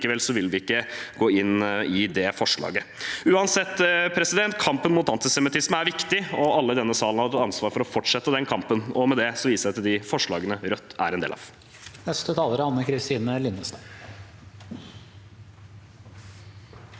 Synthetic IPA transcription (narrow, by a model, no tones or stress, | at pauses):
kəʋɛlsɔʋɪlʋɪɪkːəɡoːɪnːɪd̪ɛfɔʂɭɑ̰ːɡəʉːɑnsɛt̪ːpʰɾɛsɪd̪ɛnt̪kʰɑmpənmʊːt̪ɑnt̪ɪsɛmɪt̪ʰɪsməæɾʋɪkt̪ɪɔʔɑlːəɪd̪ɛnːəsɑːlənhɑɾt̪ʰɑt̪ɑnsʋɑːɾfɔɾɔfɔʈʂɛt̪ːəd̪ɛnkʰɑmpənɔmɛd̪ɛsɔʋiːsəæɑt̪d̪ɪfɔʂɭɑ̰ːɡənəɾœt̪ːæ̰ɾɛnd̪ḛːlɑ̰ːʋ | nɛst̪ət̪ʰɑːləɾəɑnːəkʰɾɪst̪iːnəlɪnəsn